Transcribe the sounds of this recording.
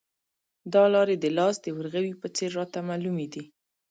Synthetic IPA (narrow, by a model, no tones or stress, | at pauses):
d̪ɑlɑɾed̪əlɑsd̪əwəɾɣawipət͡seɾːɑt̪amalumed̪i